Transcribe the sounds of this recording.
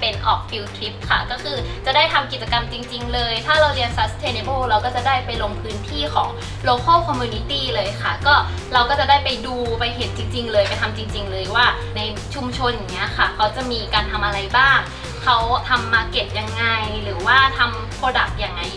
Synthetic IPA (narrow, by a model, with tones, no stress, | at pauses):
pe˧nʔɔ̰ː˨˩k̚fi˧wk̪ʰli˦˥p̚kʰa˥˩kɔː˥˩kʰɯː˧t͡ɕa˨˩da˥˩jt̪ʰa˧mki˨˩t̪̚t͡ɕa˧ka˧mt͡ɕi˧ŋt͡ɕi˧ŋlɤː˧jt̪ʰaː˥˩ɾa˧wli˧ənsa˦˥st̪ʰeː˧ne˧bɤː˥˩ɾa˧wkɔː˥˩t͡ɕa˨˩daː˥˩jpa˧jlo˧ŋpʰɯː˦˥nt̪ʰiː˥˩kʰɔː˩˦ŋ | loː˧kʰa˥˩kʰɔ˧mːjuː˧ni˦˥t̪iː˥˩lɤː˧jkʰa˥˩kɔː˥˩ | ɾa˧wkɔː˥˩t͡ɕa˨˩daː˥˩jpa˧jduː˧pa˧jɦe˨˩˦n̚t͡ɕi˧ŋt͡ɕi˧ŋlɤː˧jpa˧jt̪ʰa˧mt͡ɕi˧ŋt͡ɕi˧ŋlɤː˧jwaː˥˩ | na˧j | t͡ɕʰu˧mt͡ɕʰo˧nja˨˩ŋːni˦˥ɐkʰa˥˩kʰa˦˥wt͡ɕa˨˩miː˧kaː˧nt̪ʰa˧mʔa˧ɾa˧jbaː˥˩ŋ | kʰa˦˥wt̪ʰa˧mːaː˧ke˨˩p̚ja˧ŋːa˧jɾɯː˩˦waː˥˩t̪ʰa˧m | pʰɾoː˧da˨˩k̚ja˨˩ŋːa˧j